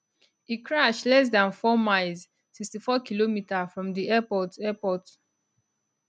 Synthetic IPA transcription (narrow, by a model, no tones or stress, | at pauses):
ikʰɹaʃlɛs̬dãnfɔmaɪlz | sikstifɔkilomitafɹɔ̃mdiɛpɔtɛpɔt